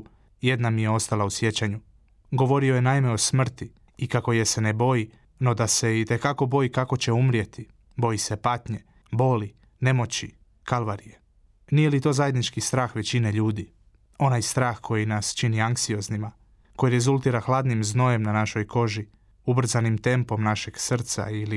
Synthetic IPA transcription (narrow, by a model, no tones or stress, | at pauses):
je̞d̪namije̞o̞st̪alausje̞t͡ɕaɲu | ɡo̞ʋo̞ɾioje̞naime̞o̞smr̩t̪i | ikako̞je̞se̞ne̞bo̞ji | no̞d̪ase̞it̪e̞kako̞bo̞jikako̞t͡ɕe̞umɾje̞t̪i | bo̞jise̞pat̪ɲe̞ | bo̞li | ne̞mo̞t͡ɕi | kalʋaɾije | nije̞lit̪o̞ːzaje̞d̪nit͡ʃkist̪ɾaːxʋe̞t͡ɕineʎuːd̪i | o̞najst̪ɾaːxkʰo̞jinast͡ʃiniaŋksio̞znima | ko̞jiɾe̞zulˠt̪iːɾaxlˠad̪nimzno̞je̞mnanaʃo̞jko̞ʒi | ubr̩zanimt̪e̞mpo̞mnaʃe̞ɡsr̩t̪sa̰ili